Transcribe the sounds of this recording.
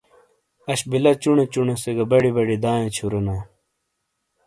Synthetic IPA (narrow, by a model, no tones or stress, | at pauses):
ɐɕbilɐt͡ɕuɳet͡ɕuɳeseɡɐbɐɽibɐɽid̪ãːjẽt͡ɕʰuɾenaː